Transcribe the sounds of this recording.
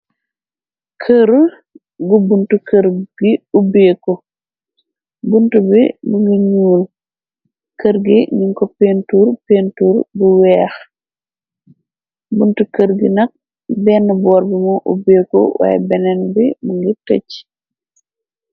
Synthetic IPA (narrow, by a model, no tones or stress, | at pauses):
kʰəɾul | ɡubuntukəɾɡiubeːkɔ | buntubimuŋɡiɲuːl | kəɾɡiniŋkɔpeːntuːɾpeːntuːɾbuwɛːx | buntukəɾɡḭnɐk̚ | bɛːnːbɔːɾbimɔʔṵbeːkɔ̰wa̰ːjbɛnɛnbimuŋɡitɐc